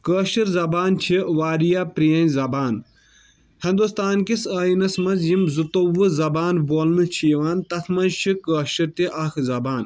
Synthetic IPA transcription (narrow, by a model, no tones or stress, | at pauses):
kəːʃiɾzɐbaːnt͡ʃʰiʋaːɾijaːpɾijɐnʲzɐbaːn | hɐ̃nd̪ust̪aːnkisɐːjinɐsmɐnzjimzut̪oʋɨzɐbaːnboːlnɨt͡ʃʰiːʋaːnt̪ɐk̪ʰmɐnt͡ʃʰikəːʃiɾt̪iʔɐkʰzɐbaːn